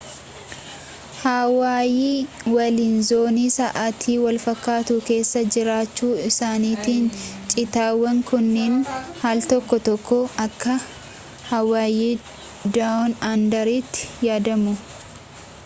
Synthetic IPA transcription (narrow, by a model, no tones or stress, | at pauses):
hawaːjiːwɐlinzo̞ːniːsɐʔat̪ʰiːwɐlfɐkːaːt̪ʊke̞ːsːɐd͡ʒɪɾaːt͡ʃːuːɪsaːniːt̪iːnt͡ʃʼɪt̪aːwːɐŋkʰʊnːeːnhaːlt̪ɔkːɔt̪ɔkːɔɐkːɐ | hɐwaːjiː | d̪aɔnand̪ɐɾiːt̪ːɪ̥jaːd̪ɐmʊ